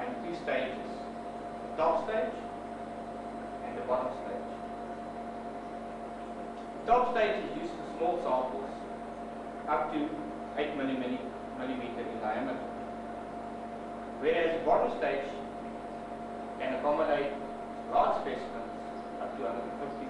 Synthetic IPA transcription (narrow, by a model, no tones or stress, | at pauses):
ə̃ntuːstẽɪd͡ʒɪz̥ | ðətɔpsteɪd͡ʒ | æ̃nðəbɔɾə̃msteɪd͡ʒ | ðətʰɔpsteɪd͡ʒɪzjʉːztʰusmɔːlˠsãpəlˠz | ap̚tʰu | eɪtmɪli | mɪlĩmiːtəɹɪ̃ndaɪæmətə̰ | weːɹæzəbɔɾə̃msteɪd͡ʒ | kæ̃nəkɔmədeɪt̚ | lɑːd͡ʒspɛsəmə̃ns | ʔʌp̚tuãndədə̃n̩fɪfti